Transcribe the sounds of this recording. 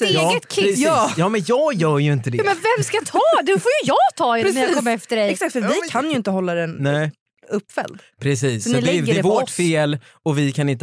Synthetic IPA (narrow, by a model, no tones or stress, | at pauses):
ɛt̪kʰɪɾɛɑːjɑːmɛnjɑːɡjœːɾjɵɪnt̪əd̪ɛɑːmɛnvɛmskajt̪ʰɑːd̪ɛfoːjɵjɑːɡt̪ʰɑːɛnɛɾjakɔmːəɾɛft̪əɖɛɛksakt̪fəvɪkʰanjɵɪnt̪əɦɔlːad̪ɛnnɛ | ɵpːfɛ̰ld̪ | pʰɾɛsiːssɔnɪlɛdəɾɛvofeːl | ɔvɪkʰanɪnt̪